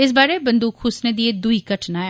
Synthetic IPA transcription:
ɪs̬baːɾebɐ̃nd̪uːkhʊsned̪ied̪uikɐʈʰnaɛ

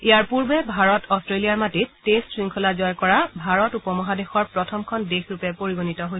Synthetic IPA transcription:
iaɹpuɹbɛbʱaɹɔtʰɔstɹelijaɹmatitestɹiŋkʰɔlazɔjkɔɹabʱaɹɔtupɔmɔɦadexɔɹpɹɔtʰɔmkʰɔndexʰɹupɛpoɹiɡonitɔɦoj

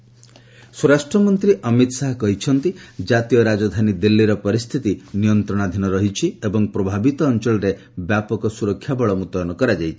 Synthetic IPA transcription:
sɔɾasʈɾɔmɔnt̪ɾiʔʌmit̪saɦɔkɔɦit͡ʃʰɔnt̪id͡ʒat̪ijɔɾad͡ʒɔd̪ʱanid̪ilːiɾɔpɔɾist̪ʰit̪inijɔnt̪ɾɔɽ̃ad̪ʱinɔɾɔɦit͡ʃʰiebɔŋpɾɔbʱabit̪ɔːnt͡ʃɔɭɔɾe | bjapɔkɔsuɾɔkʰːjabɔɭɔmut̪ɔɔnɔkɔɾad͡ʒajt͡ʃʰii̥

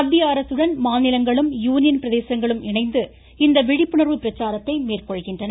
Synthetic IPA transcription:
ɐd̪ːijaːɾɐsɯɽɐnmaːnɪlɐŋɡɐɭɯmjuːnɪjɐnpɪɾɐðeːsɐŋɡɐɭɯmɪɳɐɪnd̪ɯ | ɪnd̪ɐʋɪɽɪpːɯɳɐɾʋɯpɪɾɐt͡ʃːaːɾɐt̪ːɐɪmeːrkɔɻɣɪndrɐnɐ

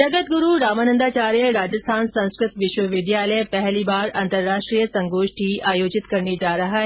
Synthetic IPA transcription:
d͡ʒɐɡət̪̚ɡʊɾuɾaːmaːnə̃nd̪aːt͡ɕaːɾijəɾaːd͡ʑəst̪ʰaːnsɐ̃ñskɾɪt̪ʋɪʃwəʋɪd̪jaːləjpɛɦlibaːɾɐ̃nt̪əɾːaːʃʈɾijəsɐ̃ŋɡoːʃʈiʔaːjoːd͡ʑɪt̪kɐɾned͡ʒaːɾɐɦaːɦɛ

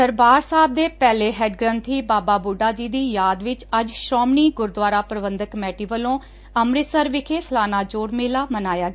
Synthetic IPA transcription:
səɾbaːɾsaːb̚d̪eːpɛːleːɦɛːɖɡɾə̃nt̪ʰiːbaːbaːbuɖaːd͡ʒiːd̪iːjaːd̪ʋɪt͡ʃəd͡ʒʃɾɔːmniːɡʊɾd̪ʋaːɾaːpɾəbənd̪əkmɛːʈiːʋəlõː | əmɾɪt̪səɾʋɪkʰeːsəlaːnaːd͡ʒoːɽmɪːlaːmənaːjaːɡ

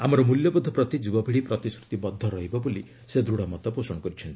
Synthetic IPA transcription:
amɔɾɔmuljɔbɔd̪ʱːɔpɾɔt̪id͡ʒubɔbiɽipɾɔt̪iskɾut̪ibɔd̪ʱːɔɾɔɦibɔboli | sed̪ɾuɽamɔt̪ɔposɔɽ̃ɔkɔɾit͡ʃʰɔnt̪i̥

